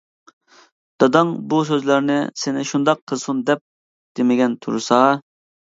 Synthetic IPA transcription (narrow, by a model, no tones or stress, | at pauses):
d̪̥ɑd̪ɑŋbusøzlæɾnɪ̰sɪnɪʃund̪ɑqʰːəlˠsund̪ɛp̚ | d̪̥emɪɡʲɛnt̪ʰṵɾsɑ